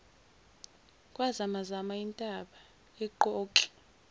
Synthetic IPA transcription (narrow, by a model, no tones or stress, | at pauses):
kʼwazamazamaintʼaɓa | ɛǃɔːǃi̥